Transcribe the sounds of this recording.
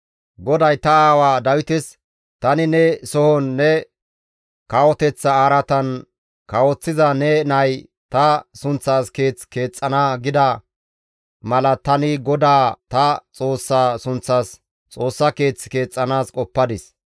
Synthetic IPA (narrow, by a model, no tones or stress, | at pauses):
ɡɔd̪ɐjt̪ɐaːwaːd̪ɐwɪt̪ɪs | t̪ɐnɪnɛsɔhɔnːɛ | kɐwɔt̪ɛt͡sːɐaːɾɐt̪ɐn | kɐwɔt͡sːɪzɐnɛnɐj | t̪ɐsʊnt͡sːaːske̞ːt͡sːke̞ːt͡sʼːɐnaːɡɪd̪ɐ | mɐlɐt̪ɐnɪɡɔd̪aːt̪ɐt͡sʼo̞ːsːaːsʊnt͡sːaːs | t͡sʼo̞ːsːɐke̞ːt͡sːɪ̥ke̞ːt͡sʼːɐnaːskʼɔpːɐd̪ɪs